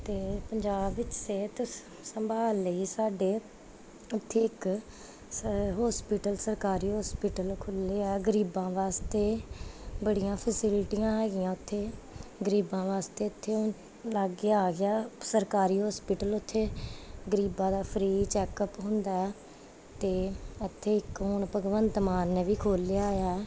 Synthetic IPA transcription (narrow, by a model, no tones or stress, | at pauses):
t̪eːpəɲd͡ʒaːbɪt͡ʃseːt̪ʊs | səmbʱaːlːəiːsaːɖeː | ʊt̪ʰːeːɪk | ɦɔːspiːʈəlsəɾkaːɾiːɦɔːspiːʈəlkʰʊlːeːɛːɡəɾiːbãːʋaːst̪eːbəɽijãːpʰəsɪlʈijãːɦɛːɡɪjãːʊt̪ʰːeːɡəɾiːbãːʋaːst̪eːʊt̪ʰːeːo | laɡeaːɡɪaːsəɾkaːɾiːɦɔːspiːʈəlʊt̪ʰːeːɡəɾiːbãːd̪aːpʰɾiːt͡ʃɛːkəpɦʊ̃nd̪aːɛː | t̪eːɪt̪ʰːeːɪkɦoːɳpəɡʋənt̪maːnːeːʋiːkʰoːlɪjaːjaɛː